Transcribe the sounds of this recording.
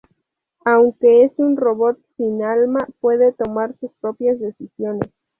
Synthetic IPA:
awŋke̞esunro̞βo̞t̪̚sinalmapwe̞ðe̞t̪o̞maɾsuspɾo̞pjazðe̞sisjo̞ne̞s

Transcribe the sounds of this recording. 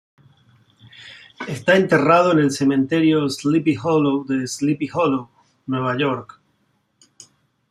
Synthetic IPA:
est̪ae̞nt̪e̞raðo̞ene̞lse̞mẽ̞nt̪e̞ɾjoslipixoloðeslipixolo | nwe̞βaʝoɾk

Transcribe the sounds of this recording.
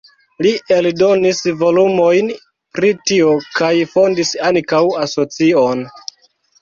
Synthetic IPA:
liʔeldo̞nisvo̞lumo̞jn | pɾitio̞kajfo̞ndisaŋkawaso̞t͡sion

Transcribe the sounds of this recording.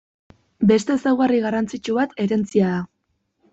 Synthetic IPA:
be̞st̪e̞sawɣariɣarant͡sit͡ʃuβat̪e̞ɾe̞nt͡siaða

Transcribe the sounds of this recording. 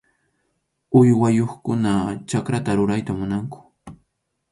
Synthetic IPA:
ʊjwajoχkʊnat͡ʃakɾat̪aɾʊɾajt̪amʊnaŋkʊ̥

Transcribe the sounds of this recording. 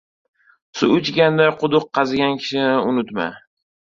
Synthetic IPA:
sʊʊt͡ʃɡʲand̪ajqʰʊd̪ʊqʰːɑzɡʲankʲʰɪ̥ʃɪnɪʊnʊt̪ma̰

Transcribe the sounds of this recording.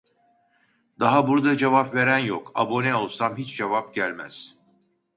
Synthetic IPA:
d̪̥aɦabuɾd̪ad͡ʒevapve̞ɾænjokabonɛo̞lˠsamɦit͡ʃd͡ʒevap̚ɟælʲmæ̰z̥

